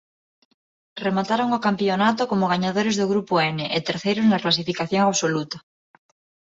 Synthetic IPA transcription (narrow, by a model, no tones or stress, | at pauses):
remat̪aɾoŋokampjonat̪okomoɣ̞aɲaðoɾezðoɣɾupoɛneʔet̪eɾθejɾoznaklasifikaθjoŋaβsolut̪a